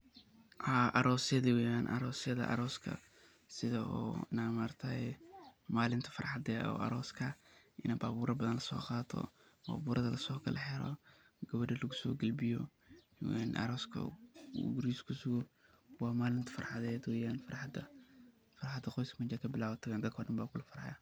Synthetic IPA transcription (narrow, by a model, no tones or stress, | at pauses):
haːʔɐɾɔːsjɐðiwɛjaːnʔɐ̰ɾɔːsjɐðɐ̰ʔɐ̰ɾɔːskʰɐ̰ | sɪðɐɔ̰ːɪnamart̪ʰɐɛmaːlɪnt̪ʰɐ̥fɐ̰rħɑd̪ɛɔ̰ɐ̰ɾɔːskʰɐʔɪnɐbaːβuːɾɐbɐðɐnlɐsɔ̰ːqɑːt̪ʰɔ̰ | ba̰ːβuːɾʔɐðɐlɐsɔːkʰɐlʔɛħɛɾɔ̰ | ɡɐβɐɖɐlɐɣʊsɔ̰ːɡɐlbɪjɔ | wɛnʔɐ̰ɾɔːskʰɐ̰ɡʊɾiskʰʊsʊɣɔ | wɑːmaːlɪnt̪ʰɐ̥fɐrħɑðɛːd̪wɛjaːnfɐrħd̪ɐ | fɐrħɑd̪ɐqɔjskʰɐmɐt͡ʃɐkʰɐbɪlaːwɐt̪ʰɐwand̪ɐt̪kʰɔːɖɐnbaːbulɐfɐɾha̰ja